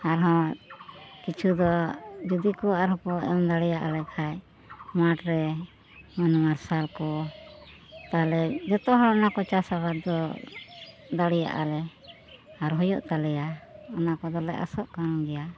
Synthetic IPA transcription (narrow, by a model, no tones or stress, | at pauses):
aɾɦɔ̃ | kit͡ʃʰud̪ɔd͡ʒud̪ikɔaɾɦɔ̃kɔɛ̰md̪aɽɛjaʔalɛkʰaj | maʈɾɛ | mɔnɔmaɾsalkɔ | t̪aɦlɛd͡ʒɔt̪ɔɦɔɽɔnakɔt͡ʃasabat̪̚d̪ɔ | d̪aɽɛja̰ʔa̰lɛ | aɾɦɔjɔʔt̪alɛjaɔnakɔd̪ɔlɛʔa̰sɔʔkaɾɔɡɛja